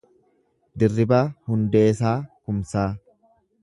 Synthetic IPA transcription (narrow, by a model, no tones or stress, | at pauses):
d̪ɪrːɪbaːhʊnd̪eːsaːkʊmsaː